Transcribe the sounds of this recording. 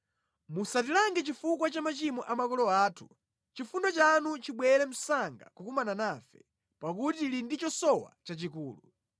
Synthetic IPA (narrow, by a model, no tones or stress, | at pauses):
musatilaŋɡɛt͡ʃifukwat͡ʃamat͡ʃimɔʔamakɔlɔaːtʰu̥ | t͡ʃifundɔt͡ʃanut͡ʃiɓwɛɾɛm̩saŋɡa̰kukumananafɛ | pak̬utilindit͡ʃɔsɔwa̰t͡ʃat͡ʃikuːlu